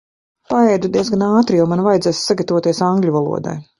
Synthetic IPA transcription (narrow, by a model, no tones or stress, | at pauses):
paɛjd̪ud̪iɛzɡanaːt̪ɾijawmanvajd̪ɛːssaɡat̪avoɔːt̪iɛsaŋɡlʲuvalˠṵɔd̪a̰j